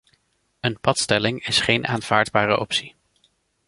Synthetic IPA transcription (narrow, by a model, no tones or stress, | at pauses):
ənpɑtstɛlɪŋɪsχejnʔaːnv̥aːɹdbaːrə̰ʔɔpsi